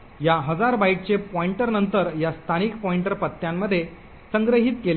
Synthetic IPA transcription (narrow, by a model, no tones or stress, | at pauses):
jaɦəd͡zaɾbaiʈ̚t͡ɕepɔiɳʈəɾnənt̪əɾjast̪ʰanikpɔiɳʈəɾpət̪ːjamːəd̪ʱːje | səŋɡɾəɦiːt̪kel